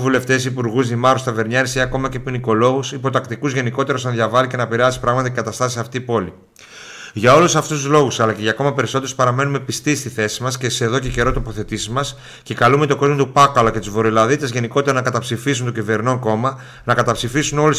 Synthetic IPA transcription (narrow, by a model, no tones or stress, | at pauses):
vule̞ft̪e̞sipuɾɣuzðimɐɾust̪ɐve̞ɾɲɐɾisiɐko̞mɐce̞piniko̞lo̞ɣusipo̞t̪ɐkt̪ikuzʝe̞niko̞t̪e̞ɾosɐnðʝɐvɐlice̞nɐpiɾɐsi̥pɾɐɣmɐt̪ɐcekɐt̪ɐst̪ɐsisɐft̪ipo̞li | ʝɐo̞lusɐft̪ust̪uzlo̞ɣusɐlɐce̞ʝɐko̞mɐpe̞ɾisot̪eɾspɐɾɐme̞nume̞pist̪ist̪iθe̞si̥mɐsceseðo̞cece̞ɾo̞t̪o̞po̞θe̞t̪isimɐs | cekɐlume̞t̪o̞ɡo̞zmo̞t̪upɐkɐloce̞t̪uzvo̞ɾolɐðit̪ɐzʝe̞niko̞t̪e̞ɾonɐkɐt̪ɐpsifisunt̪ocive̞ɾno̞ko̞mɐ | nɐkɐt̪ɐpsifisuno̞lu